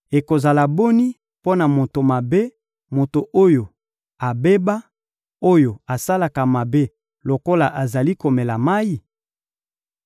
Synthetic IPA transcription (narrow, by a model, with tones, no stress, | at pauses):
e˨ko˨za˨la˨bo˦ni˦ | po˦na˨mo˨to˨ma˨be˦ | mo˨to˨ʔo˦jo˨ | a˨be˦ba˦ | o˦jo˨a˨sa˦la˨ka˨ma˨be˦ | lo˨ko˦la˨ʔa˨za˨li˦ko˨me˨la˨ma˦ji˦